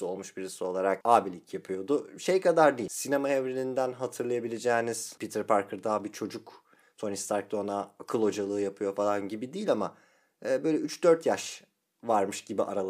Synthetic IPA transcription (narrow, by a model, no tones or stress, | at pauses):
o̞lˠmuʃbiɾisio̞lˠaɾakaːbilʲicʰjapʰɯjo̞d̪ʊʃejkʰad̪aɾd̪iːsinemaɛvɾelʲind̪ænɦat̪ʰɯɾlˠajabilʲe̞d͡ʒɛːniz̥pit̪ʰiɾpʰaɾkʰɯɾd̪abit͡ʃʰo̞d͡ʒuk | t̪ʰo̞nist̪ʰaɾk̚d̪onakʰɯlˠo̞d͡ʒalˠɯːjapʰɯjo̞falˠanɟibid̪iːlʲamaː | bø̞jlʲɛyt͡ʃd̪øɾt̪ʰjaʃ | vaɾmɯʃɟibiʔa̰ɾalˠ